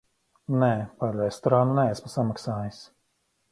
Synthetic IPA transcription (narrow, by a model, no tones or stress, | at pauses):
nɛpaɾːɛst̪ɔɾanunɛɛsmasamaksaːjis